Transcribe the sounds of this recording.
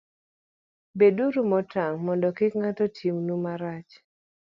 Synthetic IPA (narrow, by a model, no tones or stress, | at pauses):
beduɾumɔtʰaŋmɔndɔkɪkŋatɔtʰimnumaɾat͡ʃ